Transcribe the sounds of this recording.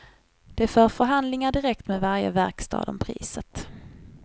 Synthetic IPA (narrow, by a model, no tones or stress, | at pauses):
d̪̥ɛfœːɾfœɾɦand̪lɪŋaɖɪɾɛk̚t̪mɛːvaɾjə̰væɾkst̪ʰɑ̰ːd̪ɔmpʰɾḭːsət̪